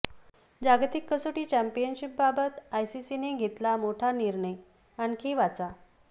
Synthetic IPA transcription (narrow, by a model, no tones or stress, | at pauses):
d͡ʑaɡt̪ikːəsoʈiːt͡ɕæmpijənɕip̚babət̪ajsisineɡʱet̪lamoʈʰaniɾɳəj | ankʰiʋat͡sa